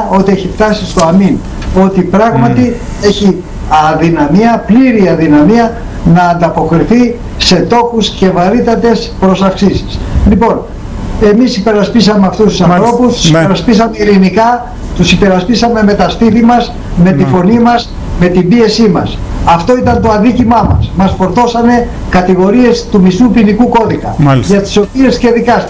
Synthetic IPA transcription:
o̞t̪ieçift̪ɐsist̪oɐmin | o̞t̪ipɾɐɣmɐt̪i | e̞çi | ɐðinɐmiɐpliɾiɐðinɐmiɐ | nɐːnd̪ɐpo̞kɾiθi | se̞t̪o̞xusce̞vɐɾit̪ɐt̪e̞spɾo̞sɐfksisi̥slipo̞n | e̞misipe̞ɾɐspisɐmeɐft̪ust̪u̥sɐnθɾo̞pust̪u̥sipeɾɐspisɐmeiɾinikɐ | t̪usipe̞ɾɐspisɐme̞me̞t̪ɐspiθimɐz | me̞t̪ifo̞nimɐs | me̞t̪imbie̞simɐ̰sɐft̪o̞it̪ɐnt̪o̞ɐðicimɐmɐ̰smɐsfo̞ɾt̪o̞sɐne̞ | kɐt̪iɣo̞ɾie̞st̪umisupinikuko̞ðikɐmʝɐt̪i̥so̞pie̞sce̞ðikɐs

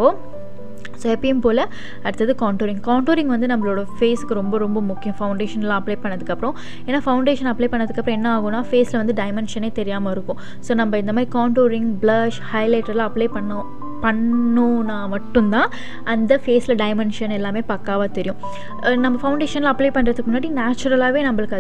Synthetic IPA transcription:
oː | soːɛpːɐjʊmpoːlɐ | ɐɽɯt̪ːɐðɯkaːɳʈoːɾɪŋɡkaːɳʈoːɾɪ̃ŋɡʋɐnd̪ɯnɐmːɐɭoːɽɐfeːsɯ̥kːɯɾɔmbɐɾɔmbɐmʊkːɪjʊ̃fɐʊɳɖeːʂɐnlãːɐpleːpɐɳːɐðɯkːɐpːɯɾɔ̃ | eːnːaːfɐʊɳɖeːʂɐnɐpːleːpɐɳːɐðɯkːɐpːɾɔ̃ɛnːɐaːɣʊ̃nːaːfeːsɪlɐʋɐnd̪ɯɖɐɪmɛnʂɐneːt̪ɛɾɪjaːmɐɪɾɯkːʊ̃ | soːnɐmbɐɪnd̪ɐmaːd̪ɾikaːɳʈoːɾɪŋɡblɐʂhɐɪleːʈːɐɾlaːɐpleːpɐɳːɐ | pɐɳːonaːmɐʈːʊ̃nt̪ãː | ʔɐnd̪ɐfeːsɪlɐɖɐɪmɛɳʂɐnɛlːaːmeːpɐkːaːʋaːt̪ɛɾɪjʊ̃ | nɐmːbɐfɐʊ̃ɳɖeːʂɐnlɐpleːpɐɳːɾɐðɯkːmʊnːaːɽinaːt͡ʃːʊɾɐlaːʋeːnɐmbɐɭɯkːɐ

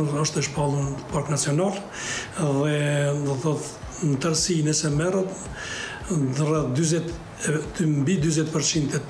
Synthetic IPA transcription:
ɔʃt̪ɛʃpalˠupaɾknat͡siɔnalˠ | ðɛθɔt | nt̪əɾsinɛsɛmɛrət̪ | d̪rad̪yzɛt̪ | mbid̪yzɛt̪pəɾt͡ɕind̪ɛ

